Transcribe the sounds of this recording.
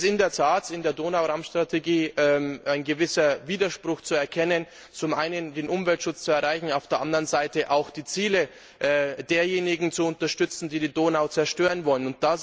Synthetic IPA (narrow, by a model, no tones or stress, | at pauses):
sɪndeːɐtʰaːtɪndeːɐdoːnaʊʁaʊmsʃtʁ̥atʰeɡiːʔɛmʔaɪnɡəvɪsɐviːdɐʃpʁ̥ʊxt͡suɛɐkʰɛnən | t͡sʊmʔaɪnəndeːnʔʊmvɛltʃʊt͡st͡suɛɐʁaɪçn̩aʊfd̥eːɐʔandəɐʁənzaɪtəʔaʊxd̥iːt͡siːlə | ʔɛd̥eːɐjeːnɪɡŋ̩t͡suʊntɐʃtʏt͡sn̩diːdiːdoːnaʊt͡sɛɐʃtøːʁənvɔlənʊnt̚d̥a